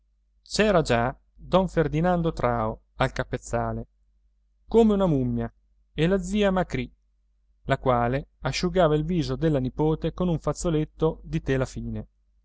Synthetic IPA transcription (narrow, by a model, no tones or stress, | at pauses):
t͡ʃɛːɾad͡ʒa | d̪ɔɱferd̪inand̪ot̪ɾaːo | alkapːet̪sːaːle | komeunamumːja | elad̪ziːamakɾi | lakwaːleaʃːuɡaːvailviːzod̪elːanipoːt̪ekonuɱfat̪solet̪ːod̪it̪elafiːne